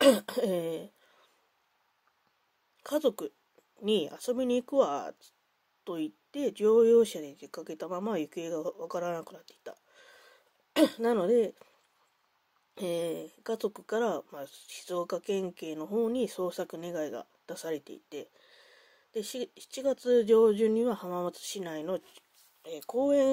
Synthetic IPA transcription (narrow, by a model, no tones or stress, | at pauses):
eː | kʰazo̞kɯ̟ | ɲ̟ia̰so̞bʲiɲ̟iːkɯ̟βḁ | t̪o̞it̪ːe̞d͡ʑo̞ːjo̞ːɕad̪ekekake̞t̪amamajɯ̟ke̞ːɡaβakaɾanakɯ̟nat̪ːe̥i̥t̪ːa | nano̞d̪e̞ | eːɡazo̞kɯ̟̥kaɾamaɕi̥zo̞ːkakẽ̞ŋke̞ːno̞ɦo̞ːɲ̟iso̞ːsakɯ̟ne̞ɡaiɡa̰ | d̪̥asaɾe̞t̪e̞̰ḭt̪e̞ | d̪̥e̞ɕi̥t͡ɕiɡat͡sɨʑo̞ːʑɨɲ̟iβahamamat͡sɨ̥ɕinaino̞ | ekʰo̞ːẽ̞